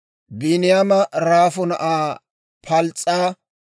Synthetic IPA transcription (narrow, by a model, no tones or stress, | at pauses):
bɪnɪjamɐɾaːfɔnɐ̰ʔaː | pʰɐlt͡sʼːaː